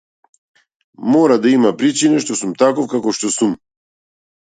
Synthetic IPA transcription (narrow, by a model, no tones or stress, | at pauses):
mɔɾad̪aimapɾit͡ʃinaʃt̪ɔsumt̪akɔfkakɔʃt̪ɔsum